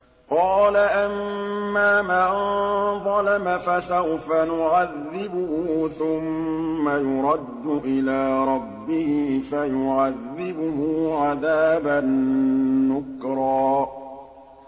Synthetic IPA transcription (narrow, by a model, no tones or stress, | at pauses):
qɑːlaʔamːaːmaːðˤɑlamafasawfanʊʕaðːɪbʊhʊʊθʊmːajʊɾˤɑd̪ːʊʔɪlaːɾˤɑbːɪhɪfajʊʕaðːɪbʊhʊʕaðaːbanː | ʊkɾˤɑː